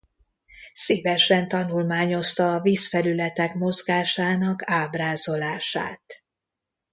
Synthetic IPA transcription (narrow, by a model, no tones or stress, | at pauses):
siːvɛʃɛnt̪ɒnulmaːɲo̞st̪ɒːviːsfɛlylɛt̪ɛkmo̞zɡaːʃaːnɒkaːbraːzo̞laːʃa̰ːt̪